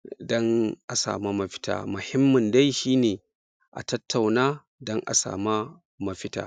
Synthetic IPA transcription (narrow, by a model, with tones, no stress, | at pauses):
dɔ˦ŋʔa˨sa̰ː˨ma˦mɐ˦ɸɪ̥˦ta̰ː˨mʊ˨hɪ˦mːɐ˨nda˦jʃiː˦neː˨ | ʔa̰˨tɐ˦tːa˨wnaː˦ | dɔ˦ŋʔa̰˨sa̰ː˨ma˦ | mɐ˦ɸɪ˦ta̰ː˨